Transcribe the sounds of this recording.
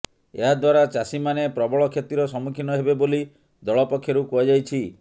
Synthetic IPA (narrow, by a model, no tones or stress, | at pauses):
ḛɦad̪waɾat͡ʃasimanepɾɔbɔɭɔkʰet̪iɾɔsɔmukʰinɔɦebeboli | d̪ɔɭɔpɔkʰːjɔɾukɔad͡ʒajt͡ʃʰi